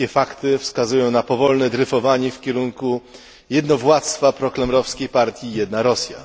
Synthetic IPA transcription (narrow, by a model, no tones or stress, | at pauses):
ɛfakt̪ɘfskazujɔ̃w̃napɔvɔlnɛd̪ɾɘfɔvaɲɛfkʲɛɾuŋku | jɛd̪nɔvwat̪st̪fapɾɔklɛmɾɔfskʲejpaɾt̪ʲjijɛd̪naɾɔsʲja̰